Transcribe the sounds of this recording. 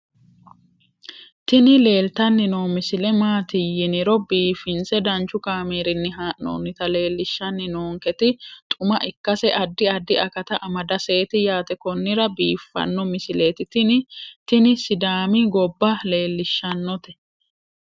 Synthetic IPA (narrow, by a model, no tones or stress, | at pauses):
t̪ɪnɪle̞ːlt̪ɐnːɪnoːmɪsɪlɛmaːt̪ɪjɪnɪɾɔbiːfɪnsɛd̪ɐnt͡ʃːʊkaːmeːɾɪnːɪɦaːʔno̰ːnːɪt̪ɐle̞ːlːɪʃːɐnːɪnoːŋkɛt̪ɪt̪ʼʊmɐʔɪkːɐsɛʔɐd̪ːɪɐd̪ːɪʔɐkɐt̪ɐʔɐmɐd̪ɐse̞ːt̪ɪjaːt̪ɛkɔnːɪɾɐbiːfːɐ̰nːɔmɪsɪleːt̪ɪt̪ɪnɪt̪ɪnɪsɪd̪aːmɪɡɔbːɐle̞ːlːɪʃːɐnːɔt̪ɛ̥